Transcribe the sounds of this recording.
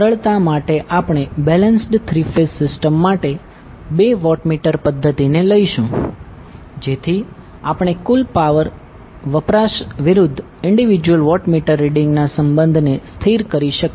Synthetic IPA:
əɾəɭt̪amaʈeʔapɳ̃ebɛlənsʈt̪ʰɾifesːɪsʈəmːaʈe | beʋɔʈmiʈəɾpəd̪ʱːət̪ineləiʃũ | d͡ʒet̪ʰi | apɳ̃ekulpaʋəɾ | ʋəpɾaʃʋɪɾʊd̪ʱː | ɪɳɖiʋid͡ʒwəlʋɔʈmiʈəɾːiɖiŋɡnasəmbənd̪ʱnest̪ʰiɾkəɾiʃək

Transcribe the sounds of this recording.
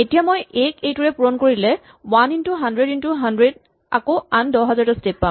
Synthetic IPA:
etijamojekejtuɹɛpuɹɔnkoɹilɛ | wanintuɦandɹedintuɦandɹed̚ | a̰koandɔɦazaɹtɔstepːã

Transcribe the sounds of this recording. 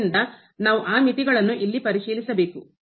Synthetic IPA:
nd̪ɐ | naːʋuʔaːmit̪iɡɐɭɐnːuʔilːipɐɾiʂiːlisɐbe̞ːku

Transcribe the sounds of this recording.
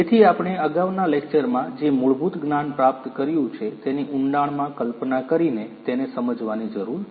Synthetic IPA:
et̪ʰiapɽ̃eəɡaʋnalek̚t͡ʃəɾmãd͡ʒemuɭbut̪ɡnanpɾap̚t̪kəɾjũt͡ʃʰet̪eniʔʊɳɖaɳmãkəlpnakəɾinet̪enesəməd͡ʒʋanid͡ʒəɾuɾ

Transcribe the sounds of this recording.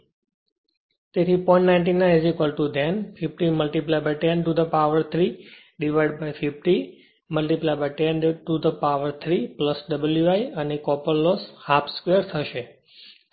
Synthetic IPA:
t̪et̪ʰipɔ̃ĩɳʈnaɪ̃nʈ̬inːaed͡ʒikəlʈud̪ɛnfifʈiməlʈiplajbajʈẽnʈud̪əpaʋəɾt̪ʰɾi | ɖiʋajɖbajfifʈi | məlʈiplajbajʈenʈud̪əpaʋəɾt̪ʰɾipləsɖəbəljuajənekɔpəlːɔshapʰskʋejəɾt̪ʰəʃe

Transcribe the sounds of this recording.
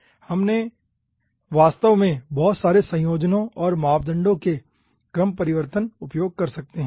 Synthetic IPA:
hɐmne | ʋaːst̪əʋmẽbɔːt̪saːɾesɐ̃joːd͡ʒnõɔːɾmaːpd̪ə̃ɳɖõke | kɾəmpɐɾɪʋəɾt̪ənʊpjoːɡ̚kɐɾsɐk̚t̪eɦɛ̃ː

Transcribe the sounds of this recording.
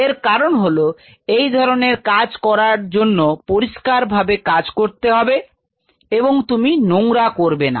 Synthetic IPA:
eɾkaɾonɦolo | ejd̪ʱɔɾoneɾkad͡ʑkɔɾaɾd͡ʑonːopoɾiʃkaɾbʱabekad͡ʑkoɾt̪eɦɔbe | eboŋt̪uminoŋɾakoɾbena̰

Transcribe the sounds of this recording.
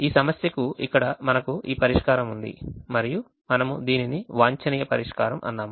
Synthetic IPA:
iːsɐmɐsjɐkuikːɐɽɐmɐnɐkuʔiːpɐɾiʂkaːɾɐmund̪ḭmɐɾiju | mɐnɐmud̪iːniniʋaːɲt͡ʃɐniːjɐpɐɾiʂkaːɾɐmʔɐ̰nːaːmu

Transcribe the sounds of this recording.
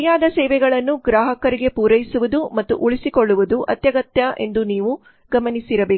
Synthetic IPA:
jaːd̪ɐsɛːʋɛɡɐɭɐnːuɡɾaːɦɐkɐɾiɡe̞puːɾɐjisuʋud̪umɐt̪ːṵʔuɭisikoɭːuʋud̪uʔɐ̰t̪jɐɡɐt̪jɐʔe̞̰nd̪uniːʋu | ɡɐmɐnisiɾɐbeː

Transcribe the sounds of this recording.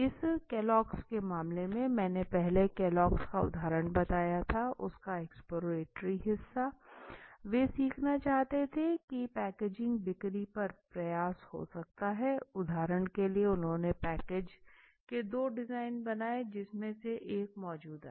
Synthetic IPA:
ɪskeːlɔːkskemaːmlemẽmɛ̃ːnepɛɦlekeːlɔːkskaʊ̰d̪ʱaːɾəɽ̃bɐt̪aːjat̪ʰaʔʊskaɛkspoːɾoɾeːʈɾiɦɪsːa | ʋeːsiːkʰnat͡ʃaːɦt̪et̪ʰekipɛːkeːd͡ʒɪ̃ŋɡbɪkɾipɐɾpɾɐjaːsho̰sɐk̚t̪aɦɛʊd̪ʱaːɾəɽ̃kelieʊnɦõnepɛːkeːd͡ʒ | ked̪oːɖɪzaːɪnbɐnaːed͡ʒɪsmẽseʔeːkmɔːd͡ʒuːd̪ɦɛː

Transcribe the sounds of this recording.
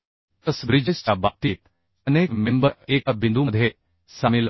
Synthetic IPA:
t̪ɐsbɾid͡ʒest͡ʃabaːp̚t̪iːt̪ | ɐneːkmẽmbəeːkabɪ̃nd̪uməd̪ʱje | saːmɪl

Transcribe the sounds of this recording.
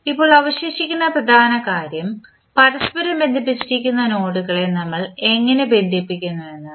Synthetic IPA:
ipːo̞ːɭɐʋɐɕjeːɕikʲːunːɐprɐd̪ʱaːnɐkaːɾjɐm | pɐɾɐspɐɾɐmbe̞nd̪ʱip̬ːit͡ɕːiɾikʲːunːɐno̞ːɽuɣɐɭe̞nɐmːɐɭe̞ŋːɐne̞be̞nd̪ʱipːikʲːunːuenːɨ

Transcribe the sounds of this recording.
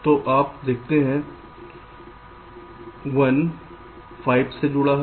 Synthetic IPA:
t̪oːʔaːp̚d̪eːk̚ʰt̪eɦɛ̃ | ʋɐn | fʰaːɪbsed͡ʒʊɽaɦ

